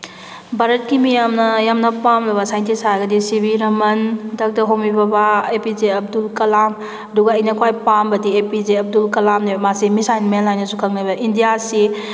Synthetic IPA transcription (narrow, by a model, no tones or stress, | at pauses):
baɾɐt̚kimijamnɐjamnɐpamlɐbɐsajntisaɡɐdisibiɾɐmɐndɐk̚dɐɦowmibɐbaepizeɐb̚dulkɐlam | ɐduɡɐɐjnɐkʰwajpambɐdiepizeɐb̚dulkɐlamnebmasimisajnmenlajnɐsukʰɐk̚nabɐʔindijasi